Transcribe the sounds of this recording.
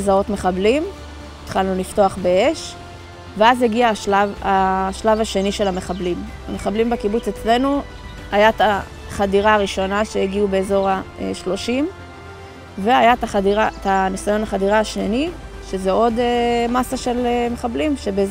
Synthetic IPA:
zao̞tmeχablim | it̪χalnunifto̞aχbe̞eʃ | veazeɡiaʃlavaʃlavaʃe̞niʃe̞lame̞χablim | a̰meχablimbekibut͡set͡sle̞nu | ajat̪a | χadiʁaːʁiʃo̞naʃejeɡiube̞ːzo̞ʁaḛʃlo̞ʃim | ve̞ajat̪aadiʁatanisajo̞naχadiʁaːʃe̞ni | ʃezeʔo̞demasaʃe̞leme̞χablimʃe̞bez

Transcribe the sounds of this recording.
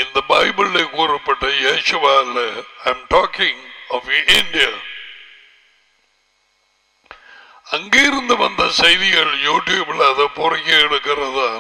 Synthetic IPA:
ind̪ɐbɐjbillekuːripːeʈːɐjeːɕuʋaːleɐjmʈoːkiŋofindijɐ | ɐŋɡijɾund̪ɐʋɐnd̪ʱɐsɐjðiɣɐɭjuːʈjuːbiɭɐðɨpurɐkʲːɐeɽukːɐrɐðaː

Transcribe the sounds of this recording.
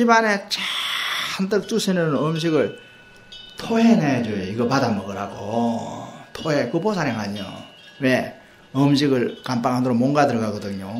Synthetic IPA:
t͡ɕibanet͡ɕaandɯk̚t͡ɕ͈uɕʰinɯnʌmɕ̬ʰiɡɯɭ | tʰoɦened͡ʑooiɡʌpadamʌɡɯɾɦaɡo | tʰoɦekɯbosʰaɾaŋɦaɲo̰ | we | ɯmɕ̬ʰiɡɯɭkamp͈aŋɦandɯɾomoŋɡadɯɾʌɡaɡʌdɯɲo

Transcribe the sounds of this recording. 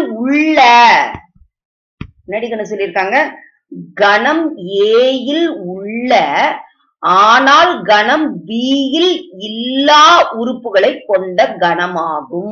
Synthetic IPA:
ʊɭːɐ | nɐɽɪkːɐɳɯsɔlːɪɾɯkːaːŋɡɐ | ɡɐnɐmeːjɪlʊɭːɐ | ʔaːnaːlɡɐnɐmbiːjɪlɪlːaːʔʊɾʊpːɯɣɐɭɐɪkːɔɳɖɐɡɐɳɐmaːɣɯm

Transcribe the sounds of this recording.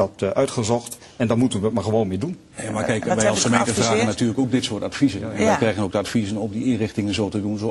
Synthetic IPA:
ɑtʔœɥtχəzɔχt | ɛndɔnmutənʋət̚maːɹχəʋownmɪːdun | jamakɛjkʋɛjɑlˠsχəmẽjntəfraːɣənatyːɹləkowk̚dɪtsʊːtatfizənɛnʋɛjkrɛjɣənowɡ̚dəatfizənɔmdiɪnrɪχtɪŋənzowtədunzo

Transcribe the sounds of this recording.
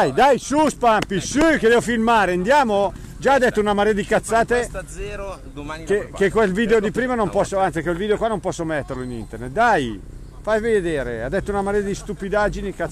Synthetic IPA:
ajd̪ajsuspampisuked̪ɛːvofilmaːɾeand̪jaːmo | d͡ʒaːd̪ːɛt̪ːounamaɾeːad̪ikat̪sːaːt̪e | kekekːwelviːd̪eod̪ipɾiːmanompɔsːoant̪sikewelviːd̪eokwanːompɔsːomɛt̪ːerloinḭnt̪ernet̪̚d̪aj | fajved̪eːɾḛa̰d̪ːɛt̪ːounamaɾead̪ist̪upid̪ad͡ʒinika

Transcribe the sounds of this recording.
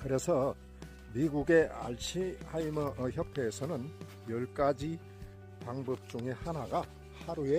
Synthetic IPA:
kɯɾe̞sʰʌ | miɡuɡe̞a̰ɭɕʰihaimʌçjʌpʰe̞ːsʰʌnɯn | jʌɭk͈ad͡ʑi | paŋbʌp̚t͡ɕ͈uŋe̞hanaɡa | haɾue̞

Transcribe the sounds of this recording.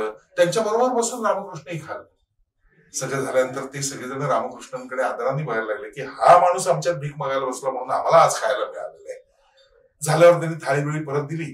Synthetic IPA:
ət̪jaɲt͡ɕjabəɾobəɾbəsuːnɾaməkɾuʂɳəiːkʰal | səɡɭjad͡zʱaljanənt̪əɾt̪esəɡɭed͡zaɽəɾaməkɾuʂɳəŋkəɽead̪ʱɾanːiːbaɦeɾlaɡlekiːɦamaɽ̃uːsamt͡ɕjat̪̚bʱiːk̚məɡajləəsləːm̤əɽ̃uːnam̤alaːd͡zkʰajləːmeɭa̰lele | d͡zʱaljaʋəɾt̪janːiːt̪ʰaɭiːʋeɭiːpəɾət̪̚d̪iliː

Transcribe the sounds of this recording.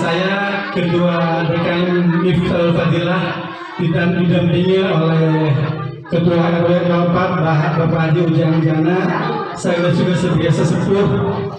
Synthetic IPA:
sajakəduadəkaɪnːift̪əlfad̪ilah | dit̪amdidampiɲaolɛhh | kəduaaabajanapat̪̚baɦat̪̚bapaad͡ʒiud͡ʒaŋand͡ʒana | sajlat͡ʃuɡasət̪iasasəpulʊh

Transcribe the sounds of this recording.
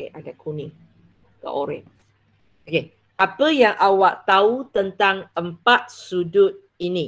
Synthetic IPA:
eʔadakʰunĩ | ka̰ʔoɾɛ̰ʔ | oke | ʔapəjaŋʔawaʔt̪aut̪ənt̪aŋəmpat̪̚sudʊt̪̚ | ini

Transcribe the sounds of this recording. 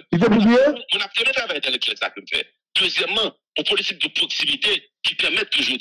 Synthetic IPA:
ifɛpuziẽmũnap̚tɛmɛ̃t̪ʁavajd̪ɛlɛklɛsa̰kənm̩fɛ̰ | d̪̥øzjɛmːɑ̃ | õpolitip̚d̪əpok̚simit̪e | kʲipɛʁmɛt̪ːuʒu

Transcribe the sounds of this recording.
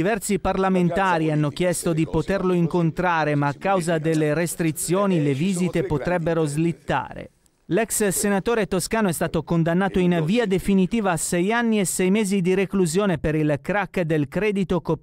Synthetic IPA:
ivɛrt̪siparlament̪aːɾianːok̟jɛst̪od̪ipot̪erloiŋkont̪ɾaːɾemaːkːawzad̪elːeɾest̪ɾit̪sːjoːnileviːzit̪epot̪ɾɛbːeɾozlit̪ːa̰ːɾḛ | lɛkssenat̪oːɾet̪oskaːnoɛst̪aːt̪okond̪anːaːt̪oinviːad̪efinit̪iːvaːsɛjanːiesɛjmeːzid̪iɾekluzjoːnepeɾilkɾakːd̪elkɾɛːd̪it̪oko

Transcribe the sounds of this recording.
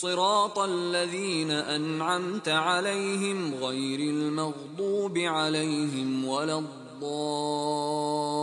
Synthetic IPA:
sˤɨɾɑːt̪ˤalːaðiːnaʔanʕamt̪aʕalajɦɪmɣajɾalmɑɣd̪ˤuːbɪʕalajɦɪmwalad̪ˤːɑː

